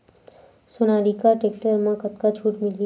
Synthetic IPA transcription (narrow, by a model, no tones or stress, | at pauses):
sʊnaːɽikaʈeːk̚ʈəɾmãkɐt̪kat͡ʃʰuːʈmɪli